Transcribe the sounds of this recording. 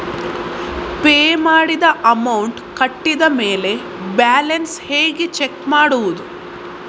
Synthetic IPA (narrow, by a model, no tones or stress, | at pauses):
peːmaːɽid̪ɐʔɐmɐwuɳʈkɐʈːid̪ɐme̞ːle̞ | baːlɐnshe̞ːɡit͡ʃekmaːɽuʋud̪u